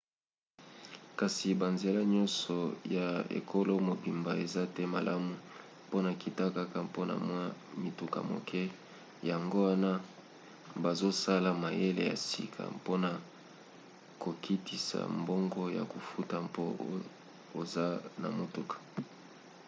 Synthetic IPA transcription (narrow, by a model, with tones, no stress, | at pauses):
ka˨si˨ba˨nze˨la˦ɲɔ˦nsɔ˨ja˨ḛ˨kʰo˦lo˦mo˨bi˨mba˨e˨za˦tɛ˦ma̰˨la˦mu˨ | po˦na˨ki˨ta˦ka˦ka˨mpo˦na̰˨mwa˦mi˨tu˨ka̰˨mo̰˨kʰɛ˦ | ja˨ŋɡo˦wa˦na˦ | ba˨zo˦sa˦la˨ma˨je˦lḛ˨ja̰˨sḭ˨kʰa̰˨po˦na˨ | ko˨ki˦ti˨sa̰˨mbo˦ŋɡɔ˦ja̰˨ko˨fu˦ta˨mpo˦ | o˨za˦na̰˨mo˨tu˦kḁ˨